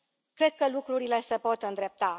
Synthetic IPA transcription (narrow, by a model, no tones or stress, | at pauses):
kɾe̞d̪̥̚kəlukɾuɾile̞səpo̞t̪ɨnd̪ɾe̞p̚t̪a